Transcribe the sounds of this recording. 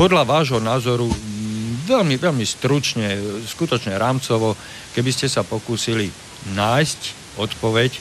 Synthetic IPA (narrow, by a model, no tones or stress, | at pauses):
pɔd̪laʋaːʒɦɔnaːzɔɾu | ʋɛlmiʋɛlmist̪ɾut͡ʃɲɛskut̪ɔt͡ʃɲɛɾaːmt͡sɔʋɔ | kɛbiscɛsapɔkuːsili | naːjsc | ɔt̪pɔʋɛc